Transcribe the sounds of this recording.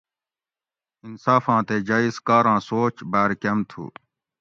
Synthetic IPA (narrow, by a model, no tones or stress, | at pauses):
insaːfãːt̪ed͡ʑaːiskaːɾãːsoːt͡ɕbaːɾkɐmt̪ʰṵː